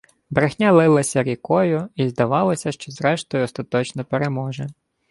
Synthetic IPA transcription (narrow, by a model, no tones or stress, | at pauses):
bɾexnʲalˠɪlˠɐsʲɐɾʲikɔjʊizd̪ɐʋɑlˠɐsʲɐʃt͡ʃɔzɾɛʃt̪ɔjʊɔst̪ɐt̪ɔt͡ʃnɔpeɾemɔʒɛ